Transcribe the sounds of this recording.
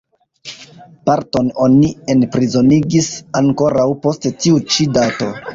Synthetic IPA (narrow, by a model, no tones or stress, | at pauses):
paɾto̞no̞nie̞npɾizo̞niɡisaŋko̞ɾawpo̞sttiut͡ʃidato̞